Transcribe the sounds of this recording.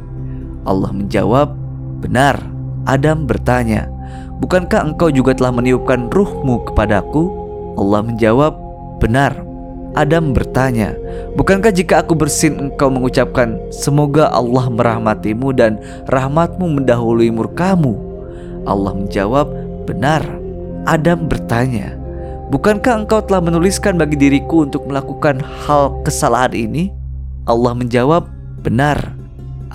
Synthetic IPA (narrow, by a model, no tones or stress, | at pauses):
ʔɑ̰lːɑ̰hməɲd͡ʒa̰wap̚ | b̥ənar | ʔa̰dambərt̪aɲa̰ | bukankahəŋkawd͡ʒuɡat̪əlahməniup̚kanrʊhmukə̥padaku | ʔɑlːɑhməɲd͡ʒawap̚ | b̥ənar | ʔadambərt̪aɲa̰ | bukankahd͡ʒikaːkubərsɪnəŋkawməŋut͡ʃap̚kan | səmoɡaʔɑ̰lːahməɾʔahmat̪imudan | rʔahmat̪̚muməndaɦuluimurkamu | ʔɑ̰lːɑ̰hməɲd͡ʒa̰wap̚ | bənar | ʔadambərt̪aɲa̰ | bukankahəŋkawt̪əlahmənuliskanbaɡidiɾikuːnt̪ʊk̚məlakukanhalkəsala̰ɦanḭni | ʔɑlːɑhməɲd͡ʒawap̚ | bənar